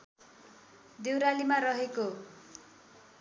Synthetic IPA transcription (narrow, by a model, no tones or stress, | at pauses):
d̪ewɾalimaɾʌɦeko